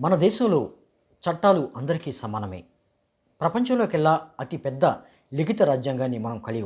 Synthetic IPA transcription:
mɐnɐd̪ɛːʃɐmlo̞ː | t͡ʃɐʈːaːluʔɐnd̪ɐɾikiːsɐmaːnɐmḛː | pɾɐpɐɲt͡ʃɐ̃mlo̞ːkɛɭːaːɐt̪ipɛd̪ːɐ | liɡit̪ɐɾaːd͡ʒjaːŋɡaːnːimɐnɐmkɐliɡ

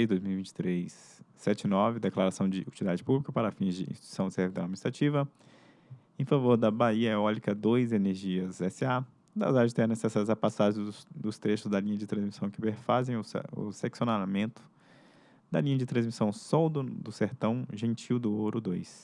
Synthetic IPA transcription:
ɪd̪ojzmiwivĩnt͡ʃɪ̥t̪ɾejsː | ɛt͡ʃɪnɔvɪd̪eklaɾasɐ̃w̃d͡ʒɪut͡ʃilid̪ad͡ʒɪpublikɐpaɾɐafĩzd͡ʒɪḭ̃ʃt͡ʃt̪u̥sɐ̃w̃ɪseɾvid̪ɐ̃ad͡ʒminist̪ɾat͡ʃivɐ | ẽfavoɾd̪ɐbaiɐɛɔlikɐd̪ojzeneɾʒiɐzɛsɪa | d̪ɐ̰zaʒɪt̪ɛ̃nesɛsajzapasaʒẽd̪ʊst̪ɾeʃʊzd̪ɐlĩɲɐd͡ʒɪt̪ɾɐ̃zmisɐ̃w̃kɪbeɾfazẽj̃ʊʊ̰seksionamẽnt̪ʊ̥ | d̪ɐlĩɲɐd͡ʒɪt̪ɾɐ̃zmisɐ̃w̃sɔwd̪ʊd̪ʊseɾt̪ɐ̃w̃ʒẽt͡ʃiwd̪ʊoɾʊd̪ojs

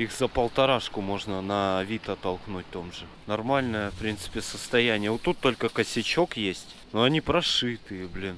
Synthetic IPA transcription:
ixzəpəlˠt̪ɐɾaʂkʊmo̞ʐnənɐvʲit̪ɐt̪ːɐlˠknut̚ʲt̪o̞mʐɨ | nɐrmalʲnəjəfpɾʲint̪sɨ̥pʲɪsəst̪ɐjænʲɪjəvot̪ːut̪ːo̞lʲkəkəsʲɪt͡ɕo̞kjesʲtʲ | noɐnʲipɾɐʂɨt̪ɨjəblʲin

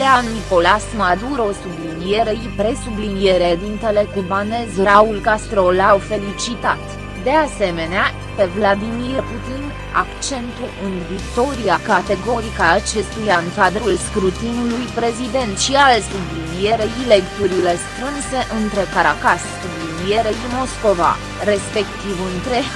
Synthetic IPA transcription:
leanːiko̞lasmad̪uɾosublinije̞ɾe̞ipɾe̞sublinije̞ɾed̪int̪e̞le̞kubane̞zɾaulkast̪ɾo̞lawfe̞lit͡ʃit̪at̪ | d̪e̞ase̞me̞nea | pe̞vlad̪imirput̪in | a̰kt͡ʃe̞nt̪uʔɨnvikt̪o̞ɾiakat̪e̞ɡo̞ɾikaːt͡ʃe̞st̪ujaŋkad̪ɾulskɾut̪inulujpɾe̞zid̪e̞nt̪ʃialsublinie̞ɾeile̞kt̪uɾile̞st̪ɾɨnse̞ʔɨnt̪ɾekaɾakassublinije̞ɾe̞imo̞sko̞va̰ | ɾe̞spe̞kt̪ivɨnt̪ɾe̞

